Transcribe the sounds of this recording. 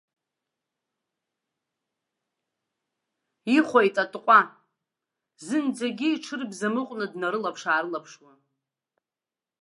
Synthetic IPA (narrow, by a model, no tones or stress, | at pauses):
iχʷojtʼatʼqʷʼa | zɨnd͡zaɡʲiiʈ͡ʂʰɨrbzamɨqʷʼnɨdnaɾɨlapʰʂaːɾɨlapʰʂwa